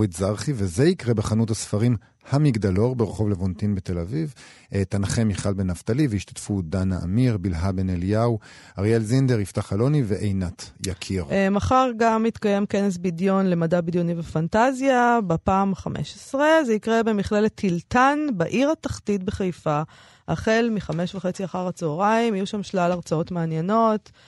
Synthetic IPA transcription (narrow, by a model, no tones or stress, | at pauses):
itzaʁχivezeikʁebeχanutasfaʁim | hamiɡd̪alo̞ʁbeʁeχo̞vlevontinbet̪e̞laviv | et̪anχemiχalbenavt̪aliveiʃt̪ḁtfud̪anaʔa̰miʁbilɦabeneljawaʁjelzind̪eʁift̪aχalo̞niveʔejnatjakʰiʁmaχaʁɡamit̪kaje̞mke̞nes̬bidjo̞nle̞madabidjo̞nivefantazjabepaːmχamʔḛʃesʁezeikʁebe̞miχlelet̪ʰːiltanbaʔiʁataχtit̚beχajfa | ʔaχe̞lmiχame̞ʃvaχe̞t͡siaχaʁat͡soʁaimajuʃamʃlalaʁt͡sao̞tmeanjeno̞t